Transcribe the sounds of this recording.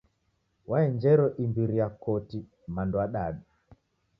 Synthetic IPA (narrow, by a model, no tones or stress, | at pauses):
waɛɲd͡ʒɛɾɔʔimbiɾiakɔti | mandwaɗaɗa